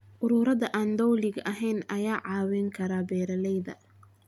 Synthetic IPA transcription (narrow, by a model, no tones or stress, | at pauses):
ʔʊɾuːɾɐðɐʔaːnd̪ɔwlɪɡɐɦɛjnɐjaːʕɑːwɛŋkʰɐɾaːbɛːɾɐlɛjðɐ̰